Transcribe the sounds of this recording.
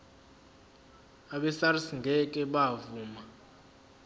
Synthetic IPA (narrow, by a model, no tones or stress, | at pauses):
aɓɛsarisiŋɡʱɛkʼɛɓavuːma